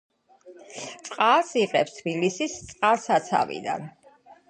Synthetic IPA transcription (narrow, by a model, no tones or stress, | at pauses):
t̪sʼqʼalˠsiqʼɛpst̪ʰbilisist̪sʼqʼalˠsat̪sʰa̰vḭd̪a̰n